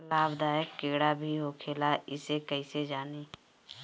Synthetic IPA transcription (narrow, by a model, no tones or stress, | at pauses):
laːbd̪aːjəkːeːɽabʱiɦokʰeːlaɪsekəised͡ʒaːneː